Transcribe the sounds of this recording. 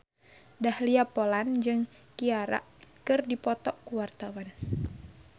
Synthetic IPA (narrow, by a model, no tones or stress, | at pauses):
dahliapoland͡ʒɨŋ | kiaɾa̰ʔkɨrdipɔt̪ɔʔkuwart̪awan